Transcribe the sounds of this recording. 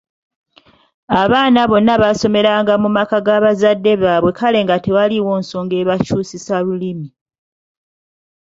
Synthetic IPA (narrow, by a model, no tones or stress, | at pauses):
aβaːnaβo̞nːaβaso̞me̞ɾaːŋɡamumakaɡaβazadːe̞βaːβwe̞kʰale̞ːŋɡatewaliwo̞ːnso̞ːŋɡe̞ːβacuːsisalulimi